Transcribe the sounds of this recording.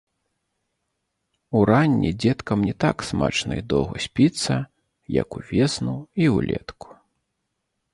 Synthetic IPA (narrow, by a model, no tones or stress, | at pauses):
uɾanʲːḭd͡zʲɛt̪kɐmnʲɛt̪aksma̰t͡ʂnɐ̰id̪ɔwɣɐsʲpʲit̪sːɐ | jɐ̰kuvʲɛsnuiwlʲɛ̰t̪ku̥